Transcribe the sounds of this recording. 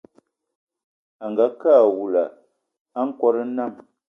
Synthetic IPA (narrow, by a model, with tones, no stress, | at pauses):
a˨ŋ˨ɡa˨˦kaː˦˨wu˨la˨ | a˦ŋ̩˦kɔ˦ɾə˦na˦˨m